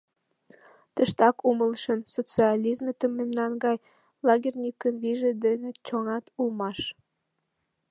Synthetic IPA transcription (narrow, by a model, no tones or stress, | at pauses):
t̪əʃt̪ɑkuməlʃənsot͡siɑlʲizmet̪əmːemnɑnɡɑj | lɑɣʲirʲnʲikəmβiʒed̪enet͡ɕoŋɑt̪ulmɑʃ